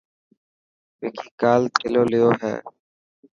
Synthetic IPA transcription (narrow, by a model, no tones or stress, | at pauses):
meːkʰiːkaːlt̪ʰeloːlɪjoːɦɛ̰ː